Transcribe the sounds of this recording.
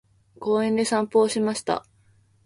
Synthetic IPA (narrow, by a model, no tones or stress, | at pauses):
ko̞ːẽ̞nd̪e̞sãmpo̞ːɕimaɕi̥t̪a̰